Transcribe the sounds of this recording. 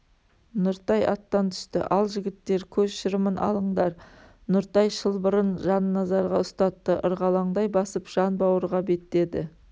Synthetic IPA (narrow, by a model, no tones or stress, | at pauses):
nʊɾt̪ɑjɑ̰t̪ːɑnt̪ʰʏ̥ʃt̪ɪ̰ʔɑlˠʒɪɡʲɪt̪ːe̞ɾkʲʰɵzʃɪɾmənʔɑ̰lˠəɴd̪ɑɾ | nʊɾt̪ɑjʃəlˠbəɾənʒɑnːɑzɑɾʁɑʊst̪ɑt̪ːəʔəɾʁɑlˠɑɴd̪ɑjbɑsəpʒ̥ɑnbɑwəɾʁɑbe̞t̪ɪe̞d̪ɪ̰